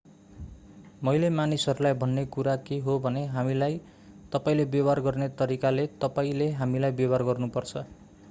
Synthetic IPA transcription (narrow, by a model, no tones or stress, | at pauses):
mʌjlemanisʌɾulajbʱʌnːekuɾakeɦobʱʌneɦamilaj | t̪ʌpaĩlebjʌbarɡʌrnet̪ʌɾikalet̪ʌpaĩleɦamilajbjʌbarɡʌrnupʌrt͡sʰʌ